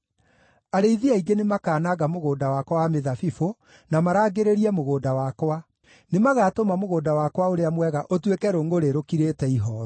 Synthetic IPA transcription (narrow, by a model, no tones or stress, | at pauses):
aɾeiðiaiɡenemakaːnaɣamoɣoːdawakwawameðafifo | namaɾaːɡeɾeɾiɛmoɣoːdawakwa | nemaɣaːtomamoɣoːdawakwaoɾeamwɛɣaʔotwekɛɾoːŋɡoɾeɾokiɾetɛiɦɔɾɔ